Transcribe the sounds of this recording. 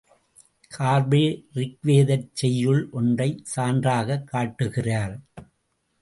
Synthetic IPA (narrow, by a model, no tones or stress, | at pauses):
kʰaːɾbɪɾɪkʋeːðɐɾt͡ʃːɛjːɯɭʔɔndrɐɪsaːndraːɣɐkːaːʈːɯɣɪraːɾ